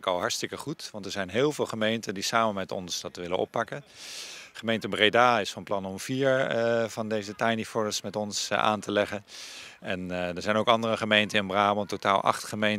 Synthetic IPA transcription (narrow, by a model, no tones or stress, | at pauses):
kɑlˠɦɑɹtstɪkəχutʋɑntɛɹzɛjnɦɪːlˠvɪːlˠχəmejntəndisaːmənmɛtɔ̰nsdɑtʋɪlənɔ̰pːɑkən | χəmejntəbrejdaːɪsfɑnplɑnɔmviːɹvɑndejzətajnifɔɹəsmɛtɔnsʔa̰ːntəlɛχən | ɛndəɹzɛjnowkɑndərəχəmejntənɪnbraːmototaːlˠʔɑ̰χtχəmejn